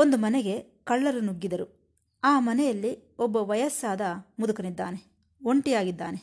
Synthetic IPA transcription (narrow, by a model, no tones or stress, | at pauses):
ond̪umɐnɛɡe̞ | kɐɭːɐɾunuɡːid̪ɐɾu | aːmɐnɛjɐlːiɔbːɐʋɐjɐsːaːd̪ɐmud̪ɐkɐnid̪ːaːne | o̞ɳʈijaːɡid̪ːa̰ːne